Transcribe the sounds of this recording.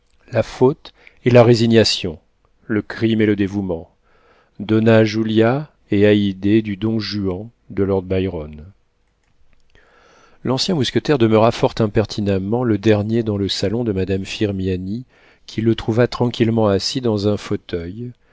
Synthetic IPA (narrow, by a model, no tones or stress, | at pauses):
lafot̪elaʁeziɲjasjɔ̃ | ləkχimeləd̪evumɑ̃ | d̪ɔnaʒulja | eaid̪ed̪yd̪ɔ̃ʒyɑ̃ | d̪əlɔʁd̪̚bajʁɔn | lɑ̃sjɛ̃muskʲət̪ɛʁd̪əmœʁafɔʁt̪ɛ̃pɛʁt̪ʰinamɑ̃ləd̪ɛʁnjed̪ɑ̃ləsalɔ̃d̪əmad̪amfiʁmjani | kʲʰilət̪χuvat̪χɑ̃kʲilmɑ̃asid̪ɑ̃zɛ̃fot̪œj